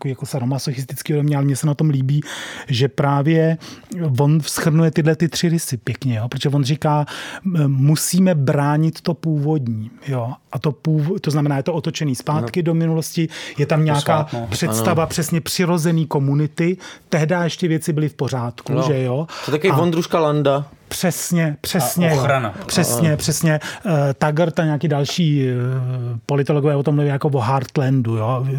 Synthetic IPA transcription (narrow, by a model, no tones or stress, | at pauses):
t̪koviːjakosɛɾomasoxɪs̬t̪ɪt͡skiːodomɲɛalɛmɲɛsɛnat̪o̞mliːbiːʒɛpɾaːvjɛ | vo̞nfsxr̩nujɛt̪ɪdlɛt̪ɪt̪r̝̥ɪɾɪsɪpjɛkɲɛjopɾot̪oʒɛvo̞nrɪkaː | musiːmɛbɾaːɲɪt̪ːo̞puːvo̞dɲiːjo̞ʔat̪o̞puːvt̪o̞znamɛnaːjɛt̪oʔot̪o̞t͡ʃɛniːspaːt̪kɪdo̞mɪnulo̞scɪjɛt̪amɲaːkaːpr̥ɛst̪avapr̥ɛsɲɛpr̥ɪɾo̞zɛniːko̞munɪt̪ɪt̪ɛɦdajɛʃcɪvjɛt͡sɪbɪlɪfpo̞r̝aːt̪kuʒɛjo̞t̪akovivond̪ɾuʃkalandapr̥ɛsɲɛpr̥ɛsɲɛjoɾanapr̥ɛsɲɛpr̥ɛsɲɛt̪aɡrt̪amɲaːkiːdalʃiː | po̞lɪt̪oloɡovɛːot̪omluviːjakovoɦaɾt̪lɛndujo